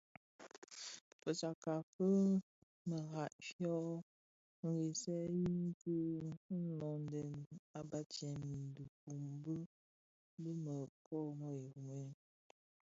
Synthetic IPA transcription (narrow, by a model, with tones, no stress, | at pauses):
pə˨sa˨ka˨fə˦ | mə˨ɣa˨ʔfjɔ˦ | ŋ̩˨ɡi˨sɛ˦ji˦ŋ˦kə˦nɔ˨n˦dɛ˨na˨ba˦t͡ʃɛ˨mi˨n˨du˨ku˨m˦bə˦ | bə˦mə˨pʰɔ˦˨ŋɔ˦i˨ɣu˨me˦